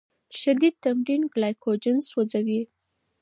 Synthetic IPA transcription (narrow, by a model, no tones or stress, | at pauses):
ʃad̪id̪̚t̪amɾinɡlajkod͡ʒɪnswad͡zawi